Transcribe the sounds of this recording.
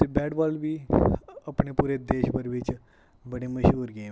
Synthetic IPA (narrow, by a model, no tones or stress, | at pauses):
t̪ebɛːʈbaːlbiːɐpɳepuːɾed̪eːʃpəɾʋɪt͡ʃ | bəɽeməʃɦuːɾɡəẽ